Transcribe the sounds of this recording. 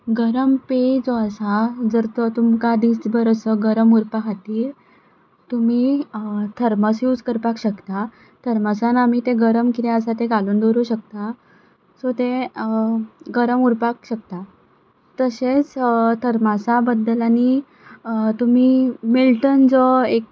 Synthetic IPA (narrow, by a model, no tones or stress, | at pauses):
ɡəɾəmped͡zoəsad͡zəɾt̪t̪umkad̪isbəɾəsəɡəɾəmuɾpakʰat̪iːɾ | t̪um̤it̪ʰəɾməsjud͡zkəɾpakɕəkt̪a | t̪ʰəɾməsanamit̪ẽɡəɾəmkit̪ẽəsat̪eɡaluːnd̪oɾuɕək̚t̪a | sot̪e | ɡəɾəmuɾpakɕək̚t̪a | t̪əset͡st̪ʰəɾmasabəd̪ːəlani | t̪um̤imilʈənd͡zɔek̚